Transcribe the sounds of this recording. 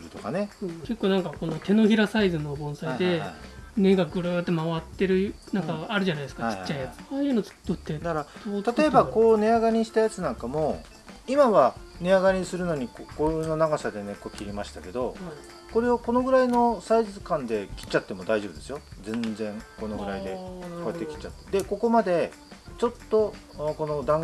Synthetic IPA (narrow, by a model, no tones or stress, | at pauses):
ɯt̪oka̰ne̞ke̞kːo̞ːnãŋkako̞no̞t̪e̞no̞çiɾasaizɨno̞bõ̞ɰ̃said̪e̞ne̞ɡaɡɯ̟ɾɯːt̪ːe̞maβat̪ːe̞ɾɯ̟nãŋkaːɾɯ̟ʑanajd̪esɨ̥kat͡ɕi̥t͡ɕːaijat͡sɨ̥aːɯno̥t̪ːot̪ːeɾḁot̪at̪o̞ebako̞ːne̞aɡaɲʲĩɕi̥t̪ajat͡sɨnãŋkamo̞ | imaβane̞aɡaɲʲisɨɾɯ̟no̞ɲ̟ikokono̞naɡasad̪e̞ne̞ko̞kʲiɾʲimaɕi̥t̪ake̞d̪o̞ | ko̞ɾe̞oko̞no̞ɡɯ̟ɾaino̞saizizɨkãnd̪e̞kʲi̥t͡ɕːat̪ːe̞mo̞d̪aiʑo̞bɯd̪e̞sɨjo̞zẽ̞nzẽ̞ŋko̞no̞ɡɯ̟ɾaid̪e̞koet̪ːekʲi̥t͡ɕːat̪ːe̥d̪e̞ko̞ko̞mad̪e̞ | t͡ɕo̞t̪ːoko̞no̞d̪ãŋ